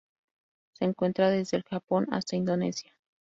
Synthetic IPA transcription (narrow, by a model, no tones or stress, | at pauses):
se̞ːŋkwe̞nt̪ɾaðe̞zðe̞ːlxapo̞na̰st̪aind̪o̞ne̞̰sja